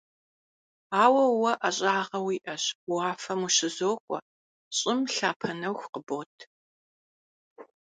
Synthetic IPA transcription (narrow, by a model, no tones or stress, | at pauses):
aːwɐwɐʔɐɕʼaːʁɐwiːʔɐɕaːfɐmuɕɪzoːkʷʼɔ̰ | ɕʼɪmɬaːpʰɐnɐwxʷqəboːtʰ